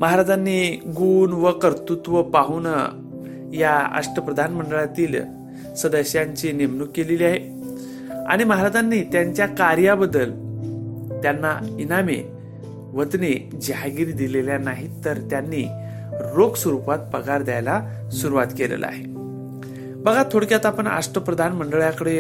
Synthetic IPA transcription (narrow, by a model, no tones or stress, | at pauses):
məɦaɾad͡zanːiɡuːnʋəkəɾt̪ut̪ʋəpaɦunə̰ | jaa̰ʂʈəpɾəd̪ʱanməɳɖəɭat̪iːl | səd̪əɕjaɲt͡ɕinemnukːeleliaɦe | a̰ɽ̃iməɦaɾad͡zanːiːt̪jaɲt͡ɕjakaɾjabəd̪ːəl | t̪janːainamḛ | ʋət̪ned͡ʑɦaɡiɾid̪ileljanaɦit̪əɾt̪janːiː | ɾoɡsʋəɾupat̪̚pəɡaɾd̪jajla | suɾuʋat̪kelḛl̰a̰ɦe | bəɡʱat̪ʰoɽkjat̪apəɳa̰ʂʈəpɾəd̪ʱanməɳɖəɭjakəɽe